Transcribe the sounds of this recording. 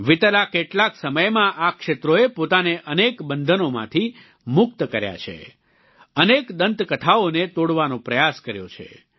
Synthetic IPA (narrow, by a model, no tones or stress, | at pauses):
ʋɪt̪əlakeʈlaksəməjmãʔakʃet̪ɾoepot̪aneʔənekbənd̪ʱənomã̰t̪ʰi | mʊk̚t̪kəɾja̰t͡ʃʰḛ | ənekd̪ənt̪kət̪ʰaonet̪oɽʋanõpɾəjaskəɾjo̰t͡ʃʰḛ